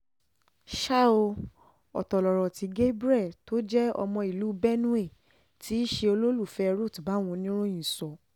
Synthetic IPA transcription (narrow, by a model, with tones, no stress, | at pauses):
ʃa˦˨o˧ | ɔ̰˨tɔ˨lɔ˨ɾɔ˨ti˨˧˦ɡe˦bɾɛ˦˨to˦d͡ʒɛ˦ɔ̰˧mɔ̃˧i˨lu˨˦bɛ˦nũ˦e˦˨ | ti˦ʃe˧o˧lo˦lu˦˨fɛ˧ɾo˦˨tba˨˦w̃ɔ̃˧nĩ˦ɾ̃õ˦ĩ˨sɔ˨